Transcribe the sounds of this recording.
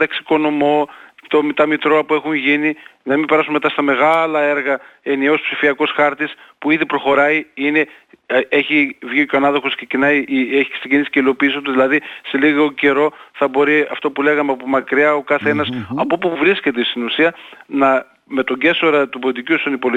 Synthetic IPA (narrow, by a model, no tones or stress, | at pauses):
t̪ɐksi̥ko̞no̞mo̞t̪o̞mit̪ɐmit̪ɾoɐpue̞xuɲʝininɐmibe̞ɾɐsunme̞t̪ɐst̪ɐme̞ɣɐlɐe̞ɾɣɐe̞niospsifiɐko̞sxɐɾt̪ispuiðipɾo̞xo̞ɾɐiine̞ | e̞çivʝiocoɐnɐðoxosksecinɐjeçi̥siɟinisi̥ce̞ilo̞piːs̬ot̪uðilɐðiseliɣo̞ce̞ɾo̞θɐbo̞ɾiɐft̪opule̞ɣɐmeɐpomɐkɾiɐo̞kɐθe̞nɐsɐpo̞puvɾisce̞t̪est̪inusiɐnɐ | me̞t̪o̞ɲɟe̞so̞ɾɐt̪ubolit̪icusɐnipol